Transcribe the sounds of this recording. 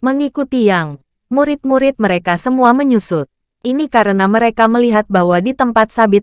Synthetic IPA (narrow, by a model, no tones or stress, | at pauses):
məŋikut̪ijaŋ | muɾɪt̪̚muɾɪt̪̚məɾekasəmuaməɲusʊt̪̚ | ʔinikaɾənaməɾekaməliɦat̪̚bahwadit̪əmpat̪̚sabɪt̪̚